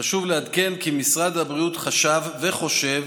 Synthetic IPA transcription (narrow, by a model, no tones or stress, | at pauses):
aʃuvlead̪ke̞nkimisʁad̪habʁiut̪χaʃavːeχo̞ʃev